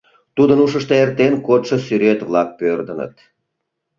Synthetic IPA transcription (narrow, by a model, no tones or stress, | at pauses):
t̪ud̪ənuʃəʃt̪eert̪enkot̪ʃəsyɾet̪βlɑk̚pørd̪ənə̰t̪